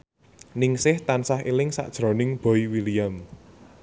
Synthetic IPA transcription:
nɪŋsɪht̪ansaɦilɪŋsa̰ʔd̥ʒ̥ɾɔ̤nɪŋb̥ɔiwilijəm

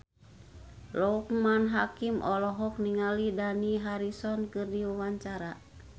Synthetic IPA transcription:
lɔkmanɦakimʔɔlɔɦɔk̚niŋalidaniɦaɾisɔnkɨrdiwawaɲt͡ʃaɾa

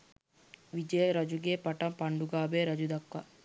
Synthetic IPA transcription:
ʋid͡ʒɐjəɾɐd͡ʒuɡeːpɐʈɐmpɐɳɖuɡaːbeːɾɐd͡ʒud̪ɐkʋɐ

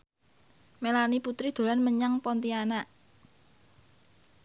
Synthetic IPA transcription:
melaniput̪ɾid̪̥o̤ɾanməɲaŋpɔnt̪ianaʔ

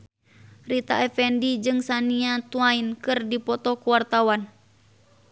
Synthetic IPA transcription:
rit̪a̰ɛfɛndid͡ʒɨŋsaniat̪uainkɨrdipɔt̪ɔkuwart̪awan

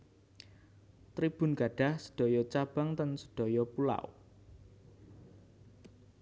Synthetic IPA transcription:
t̪ɾib̥ʊ̤nɡ̥ä̤ɖ̥a̤hsə̥ɖ̥ɔ̤jɔt͡ʃab̥aŋt̪ənsə̥ɖ̥ɔ̤jɔpula̰w

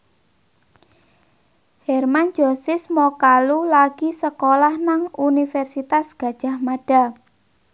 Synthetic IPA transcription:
hɛrmand͡ʒosɪsmɔkalulaɡ̥isəkolahnaŋunifɛrsit̪asɡ̥a̤d̥ʒ̥a̤hmaɖ̥a̤

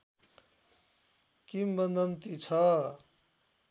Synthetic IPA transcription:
kimbʌnd̪ʌnt̪it͡sʰʌ

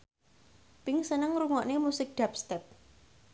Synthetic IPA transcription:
pɪŋsənəŋɾuŋɔʔnemusɪk̚ɖ̪̥ap̚st̪ɛp̚

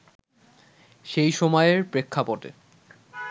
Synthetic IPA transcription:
ʃejʃɔmɔeeɾpɾekʰːapoʈḛ

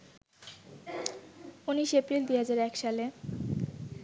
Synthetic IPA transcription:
uniʃepɾild̪iɦad͡ʑaɾɛkʃale

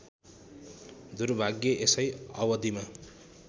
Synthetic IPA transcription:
d̪urbʱaɡjʌʔesʌjʌwʌd̪ima

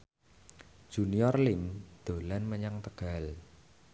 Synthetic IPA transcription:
ʒ̥uniɔrlɪŋd̪̥o̤lɛnməɲaŋt̪əɡ̥a̤l

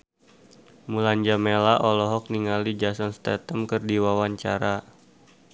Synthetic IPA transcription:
muland͡ʒamelaʔɔlɔɦɔk̚niŋalid͡ʒasɔnst̪ɛt̪əmkərdiwawaɲt͡ʃaɾa

